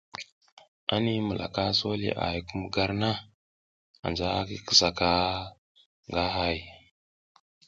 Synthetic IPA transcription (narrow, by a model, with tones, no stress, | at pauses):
a˦ni˦mu˨lʔa̰˨ka˦so˦lḭ˨ʔa̰˨ji˨ku˦m˦ɡa˦ɾna˦ | a̰˨nd͡ʒa˦a˦ki˦ki˨sa˨ka˦ | ŋɡa˦ɦa˦˨j